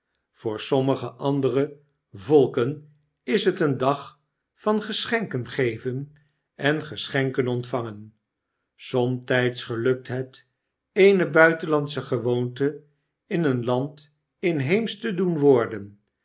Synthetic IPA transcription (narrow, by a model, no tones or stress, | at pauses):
v̥ʊːɹsɔməχəʔɑndərə | vɔlˠkən | ɪsɦətəndɑχ | fɑnχəsχɛŋkənχejvən | ɛnχəsχɛŋkənɔntfɑŋən | sɔmtɛjtsχəlɵk̚tɦət | ejnəbœɥtənlɑnsəχəʋowntə | ɪnənlɑnt | ɪnɦejmstədunʋʊːɹdən